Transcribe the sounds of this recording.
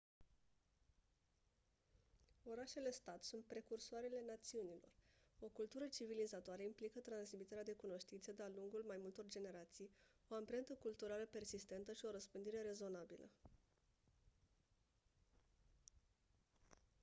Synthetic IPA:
o̞ɾaʃe̞le̞st̪at̪sunt̪̚pɾe̞kursoaɾe̞le̞nat̪siunilo̞̰ro̞kult̪uɾət͡ʃivilizat̪oaɾeimplikət̪ɾansmit̪e̞ɾead̪e̞kuno̞ʃt̪int̪səd̪ealuŋɡulmajmult̪o̞rd͡ʒe̞ne̞ɾat̪sijo̞ampɾe̞nt̪əkult̪uɾaləpe̞rsist̪e̞nt̪əʃio̞ɾəspɨnd̪iɾe̞ɾe̞zo̞nabilə̰

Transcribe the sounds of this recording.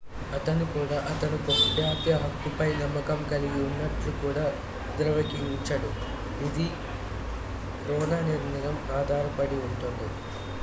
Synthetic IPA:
ɐt̪ɐnukuːɽaʔɐt̪ɐnukopjaːt̪jɐɦɐkːupɐjnɐmːɐkɐmkɐliɡiunːɐʈlukuːɽaː | d̪ɾɐʋɐkiiɲt͡ʃɐɽu | id̪i | ɾɔːnaːniɾnɐɾɐmaːd̪ʱaːɾɐpɐɽiuɳʈund̪i

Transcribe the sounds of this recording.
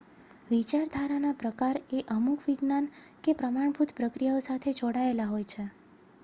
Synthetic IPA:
ʋit͡ʃaɾd̪ʱaɾanapɾəkaɾeʔəmukʰʋiɡnankepɾəmaɳ̃bʱut̪pɾəkɾijaosat̪ʰed͡ʒoɽaelaɦojt͡ʃʰe

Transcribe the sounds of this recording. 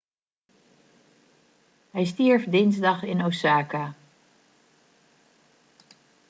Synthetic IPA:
hɛjstiəɹfdɪnzdɑχɪnowsaːka

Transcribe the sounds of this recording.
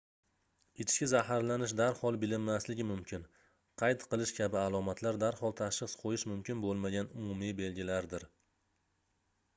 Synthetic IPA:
ɪt͡ʃʰɪ̥ʃkʲɪzahaɾlanɪʃ̬d̪aɾhɒlˠbɪlɪmːaslɪɡʲɪmʊmkʲʰɪn | qʰɑjt̪qʰɨlˠɪʃkʲʰabɪalˠɒmat̪ʰlaɾd̪aɾhɒlˠt̪ʰaʃɨχsqʰojɪʃmʊmkʲʰɪnbolˠmaɡʲanʊmʊmijbe̞lɡʲɪlaɾd̪ɪɾ

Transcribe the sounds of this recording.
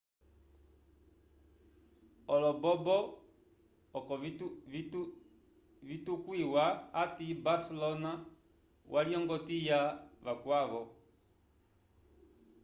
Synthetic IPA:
ɔlɔbɔbɔ | kɔ | vitukwiwaatibasɛlɔna | wʔaliɔŋɡɔtijavakwaβɔ

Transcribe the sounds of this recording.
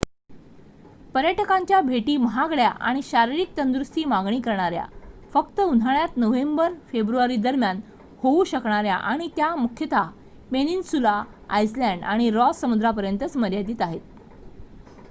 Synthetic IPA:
pəɾjəʈəkaɲt͡ɕjabʱeʈiːməɦaɡɭja̰ʔa̰ɽ̃iɕaɾiɾik̚t̪ənd̪ɾust̪iːmaɡɳiːkəɾɳaɾja̰fəkt̪əun̤ʱaɳjat̪nəʋembəɾfebɾuaɾiːd̪əɾmjan | houɕəkɳaɾja̰ʔaɽ̃it̪jamukʰjət̪ʰa | meninsula | a̰jslæɳɖaɽ̃iɾɔsːəmud̪ɾapəɾjənt̪ət͡sməɾjad̪iːt̪aɦet̪̚

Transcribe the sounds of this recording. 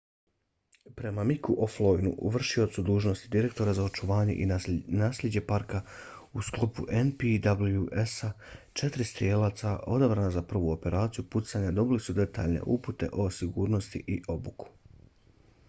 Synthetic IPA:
pɾe̞mamikuʔoflˠojnṵʔṵʋr̩ʃio̞t̪sud̪uːʒno̞st̪id̪iɾe̞k̚t̪o̞ɾazao̞t͡ʃuʋaːɲe̞̰ʔinaːslʎed͡ʑe̞paɾkausklˠopṵʔenpid̪abljuʔesa | t͡ʃe̞t̪ɾist̪ɾjeːlˠaːt̪sao̞d̪abɾaːnazapr̩ʋuo̞pe̞ɾaːt̪sijuput̪saɲad̪o̞bilisud̪e̞t̪a̰ːʎnḛʔuput̪e̞̰ʔo̞siɡuːɾno̞st̪ḭʔiʔo̞buku̥

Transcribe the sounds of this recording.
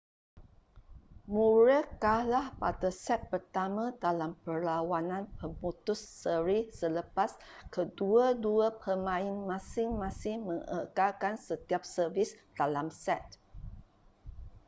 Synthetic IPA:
muɹəkahlahpadasɛt̪̚pərt̪amãdalampərlawanãnpəmut̪ʊsːəɾisələpaskəduəduəpʰəmãɪnmãsɪŋmãsɪŋməŋə̰kalkansət̪iap̚səvisd̥alamsɛt̪̚

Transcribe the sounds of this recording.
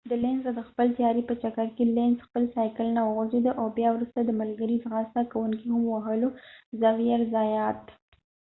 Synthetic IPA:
d̪əlenzad̪əxpəlt̪jɑɾipət͡ʃakaɾkelenzxpəlsɑjkəlnawəɣʊd͡ʒed̪aʔawbjɑwɾust̪ad̪əməlɡəɾizɣɑst̪akawuŋkihamwaɦəlozawjaɾzɑjɑt̪

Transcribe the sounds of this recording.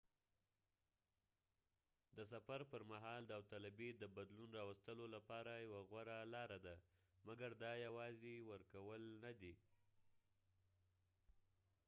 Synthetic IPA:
d̪əs̬afaɾpəɾmaɦɑld̪əawt̪alabed̪əbad̪lunɾɑwast̪əlolapɑɾajawaɣwaɾalɑɾad̪amaɡaɾd̪ɑjawɑzewəɾkawəlnad̪i

